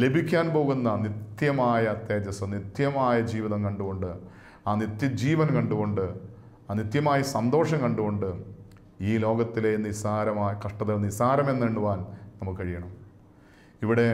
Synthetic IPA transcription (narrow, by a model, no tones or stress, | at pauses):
le̞bʱikʲːaːnpo̞ːɣunːɐnit̪jɐmaːjɐːt̪jeːd͡ʑɐsɐnit̪jɐmaːjɐd͡ʑiːʋiðɐmkɐɳɖuɣo̞ɳɖɨ | aːnit̪jɐd͡ʑiːʋɐnkɐɳɖuɣo̞ɳɖɨ | aːnit̪jɐmaːjɐsɐnd̪oːʂɐŋkɐɳɖuɣo̞ɳɖɨ | iːlo̞ːɡɐt̪ːilenːisaːɾɐmaːjɐkɐʂʈɐðɐlnisaːɾɐme̞nːeɳːuʋaːnnɐmːukːɨkɐɻijɐɳɐm | iʋiɽe̞